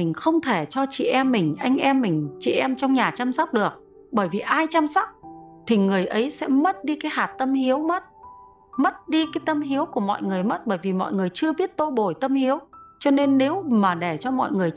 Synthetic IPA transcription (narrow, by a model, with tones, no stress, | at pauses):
ï˨˩ŋ̟xə˧wŋ͡mt̪ʰe˧˩t͡ɕɔ˧t͡ɕḭ˧˨ʔɛ˧mːï˨˩ŋ̟ʔa˧jŋ̟ʔɛ˧mːï˨˩ŋ̟t͡ɕḭ˧˨ʔɛ˧mt͡ɕɔ˧wŋ͡mɲaː˨˩t͡ɕaː˧msk͡p̚ɗɨ˨˩ək̚ | ɓəː˧˩jvi˨˩ʔaː˧jt͡ɕaː˧msɔ˦˥k͡p̚t̪ʰi˨˩ŋɨ˨˩əjʔə˨˦jsɛ̰˧˥mə˦˥t̚ɗi˧kaː˨˦jhaː˨˩t̚t̪ə˧mhi˨˦əwmə˦˥t̚ | mə˦˥t̚ɗi˧kaː˨˦jt̪ə˧mɦi˨˦əwku˧˩əmɔ̰˧˨jŋɨ˨˩əjmə˦˥t̚ɓəː˧˩jvi˨˩mɔ̰˧˨jŋɨ˨˩əjt͡ɕɨ˧əɓi˦˥ət̚t̪o˧ɓo˨˩jt̪ə˧mhi˨˦əwt͡ɕɔ˧ne˧nːe˨˦wmaː˨˩ɗe˧˩t͡ɕɔ˧mɔ̰˧˨jŋɨ˨˩əj